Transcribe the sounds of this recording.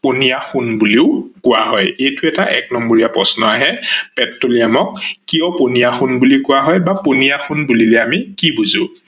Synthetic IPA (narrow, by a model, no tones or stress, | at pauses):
ponijaxunbuliʊkʊwaɦɔjejtʊɛtaʔɛk̚nɔmbɔɹijapɹɔsnɔaɦɛpɛtɹoliamɔkːiɔponijaxunbulikʊwaɦɔjbaponijaxunbulilɛamikibuzʊ̃